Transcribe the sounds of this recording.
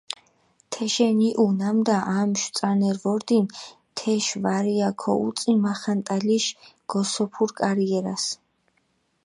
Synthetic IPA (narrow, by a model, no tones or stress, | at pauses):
t̪ʰɛʃɛniʔunamd̪aʔamʃt̪sʼanɛɾvɔɾd̪in | t̪ʰɛʃvaɾiakʰɔ̰ṵt̪sʼimaχant̪ʼaliʃɡ̥ɔsɔpʰuɾkʼaɾiɛɾas